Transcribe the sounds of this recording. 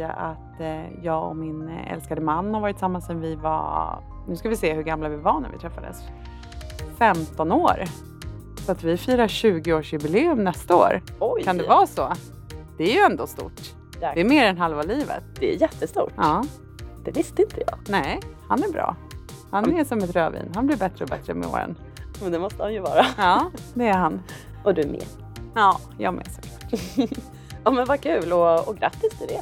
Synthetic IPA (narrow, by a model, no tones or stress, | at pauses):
a̰ʔat̪jɑːɡɔ̰mɪnɛ̰lskad̪əmanːhaɾvɑːɾɪt̪ːɪsamːansɛnvɪva̰ | nʉ̟ːskavɪseːhɵɡamlavɪvɑɳæ̰vɪ̰t̪ʰɾɛfːad̪ə̰s | fɛmt̪ɔnoːɾ | sɔat̪vɪfiːɾaɕʉ̟ːɡɪoːʂjɵbɪleːɵmnɛst̪ao̰ːɾɔjkʰand̪ɛvɑːsɔ | d̪̥ɛæɾjɵɛnd̪oːst̪ʊ̰ʈ | d̪ɛːɾmeːɾɛnɦalvaliːvə̰t̪d̪ɛæ̰ɾjɛt̪ːəst̪ṵːʈʔɑː | d̪̥ɛvɪst̪əɪnt̪ʰəjɑ̰ːnɛhanæɾbɾɑ̰ː | hanɛsɔmɛt̪ɾøːvḭːnɦanblɪbɛt̪ɾəɔbɛt̪ɾəmɛ̰o̰ːɾə̰n | mɛnd̪ɛmɔst̪əhanjɵvɑ̰ːɾaɑːd̪ɛæɾɦan | ʔɔd̪ɵmḛ | ɑː | jɑ̰ːɡmɛ̰sɔ̥klɑːʈ | jɑːmɛnvakʰʉ̟ːlɔɔɡɾa̰t̪ːɪst̪ɪɖɛ